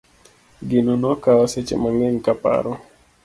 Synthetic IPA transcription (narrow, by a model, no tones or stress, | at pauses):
ɡɪnɔnɔkawaset͡ʃḛmaŋɛŋkapa̰ɾɔ